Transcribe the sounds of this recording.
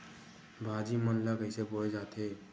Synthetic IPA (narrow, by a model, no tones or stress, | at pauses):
bʱaːd͡ʒimənləɡəɪseboːled͡ʒaːt̪eː